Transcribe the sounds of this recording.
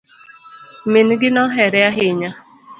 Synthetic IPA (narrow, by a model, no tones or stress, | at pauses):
meniɡɪnɔɦɛɾɛaɦɪɲa